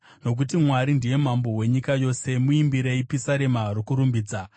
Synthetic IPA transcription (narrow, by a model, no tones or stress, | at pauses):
no̞k̬utimwaɾindije̞mambo̞we̞ɲikajo̞ːse̞muimbiɾe̞ipisaɾe̞maɾokuɾumbiːd͡za